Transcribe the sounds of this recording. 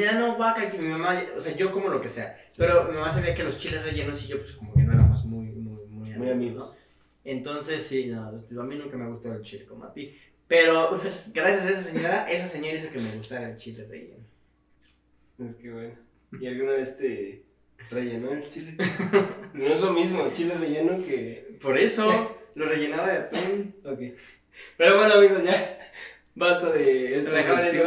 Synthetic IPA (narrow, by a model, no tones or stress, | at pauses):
ano̞βakat͡ʃimimamao̰se̞aʝo̞ko̞molokeseape̞ɾo̞mimãmas̬aβiakelo̞st͡ʃile̞reʝe̞no̞siʝopwe̥sko̞mokeno̞eɾamozmujmujmujamujamios | e̞nt̪o̞nse̞sːinoaminũŋkame̞aɣust̪aðelt͡ʃilekoma̰pi | peɾopesɡɾasjas̬aes̬as̬eɲo̞ɾaʔe̞s̬ase̞ɲoɾais̬okeme̞ɣust̪aɾaelt͡ʃilerḛʝḛno | eskeβweno | ialɣunaβest̪e | reʝenoelt͡ʃile | noezlomizmoet͡ʃilereʝenokepo̞ɾesoloreʝe̞naβaðet̪onokej | peɾoβanaβiðoʝa | bast̪aðeesreɣaaɾe